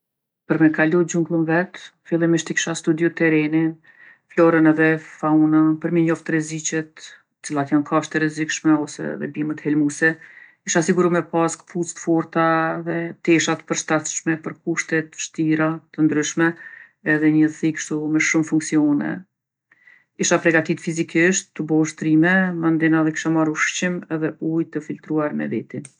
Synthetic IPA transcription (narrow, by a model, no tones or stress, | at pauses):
pəɾmɛkalud͡ʑuŋɡlˠənvɛt̪filˠimiʃt̪ikʃast̪ud̪jut̪ɛɾɛnin | flɔɾənɛðɛfaunənpəɾmɛɲɔft̪ɾɛzit͡ɕɛt̪ | ə̥t͡silˠat̪jankʰaʃt̪əɾɛzikʃmɛɔsɛ̰ðɛ̰bimət̪hɛlmusɛkiʃasiɡuɾumɛpaskput͡st̪fɔɾt̪aðɛt̪ɛʃat̪ə̥pəɾʃt̪at̪ʃmɛpəɾkuʃt̪ɛt̪ʃt̪iɾat̪ənd̪ɾyʃmɛ | ɛðɛɲəθikʃt̪umɛʃumfuŋksiɔnɛ̰ | iʃapɾɛɡat̪it̪fizikiʃt̪ːəbɔʃt̪ɾimɛmand̪inaðɛki̥ʃamaɾuʃt͡ɕimɛðɛujt̪əfilt̪ɾuaɾmɛ̰vɛt̪in